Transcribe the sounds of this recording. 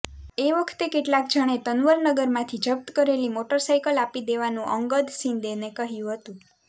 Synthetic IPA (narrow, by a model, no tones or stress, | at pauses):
eʋəkʰt̪ekeʈlak̚d͡ʒʱəɽ̃et̪ənʋəɾnəɡəɾmãt̪ʰid͡ʒəb̚t̪əkəɾelimoʈəɾsajkəlapid̪eʋanũʔəŋɡəd̪sind̪enekəɦjũɦət̪ũ